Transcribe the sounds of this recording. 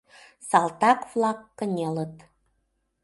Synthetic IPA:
sɑlt̪ɑkvlˠɑkːə̆nʲelət̪

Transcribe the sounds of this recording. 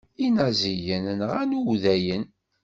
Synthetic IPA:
inæzijənnʁænuwðæjən

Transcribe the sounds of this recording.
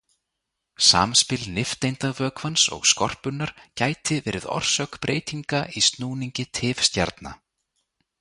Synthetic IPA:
sa̰ːmspɪlnɪft̪ejnt̪avœːkvansɔ̰ɣskɔr̥pʏnːaɾ̥caːjt̪ɪvɛːɾɪðɔ̰r̥sœkpɾʔeːjt̪iŋkaʔist̪nuːniɲcɪt̪ʰɪːfst̪ja̰ɾt̪na̰

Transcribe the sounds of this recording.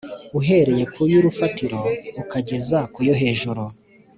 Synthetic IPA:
uɦe̞ɾe̞je̞kujuɾufatiɾo̞ukaɟe̞zakujo̞ɦe̞ːʒuɾu

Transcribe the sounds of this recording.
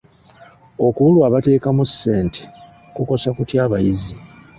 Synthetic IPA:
o̞kuulwaːβate̞ːkamusːe̞ːnte̥ | kuko̞sakutjaːβajizi

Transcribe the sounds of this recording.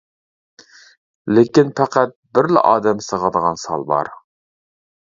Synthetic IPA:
lɪkʲinpʰæqæt̪̚bɪɾlɪ̰ʔɑːd̪ɛmsəʁɑd̪əʁɑnsɑ̰lˠbɑ̰ɾ

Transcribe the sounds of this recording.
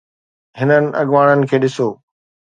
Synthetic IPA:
ɦɪnənɪ̆ɐ̰ɠʋaːɽ̃ənɪ̆kʰeːɗɪsoː

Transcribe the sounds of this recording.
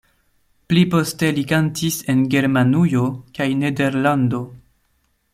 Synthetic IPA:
plipo̞ste̞likantise̞nɡe̞ɾmanujo̞kajne̞de̞ɾlando̞

